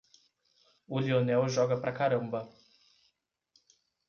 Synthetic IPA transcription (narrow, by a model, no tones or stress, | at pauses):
ulionɛwʒɔɡɐpɾʔɐkaɾɐ̃mbɐ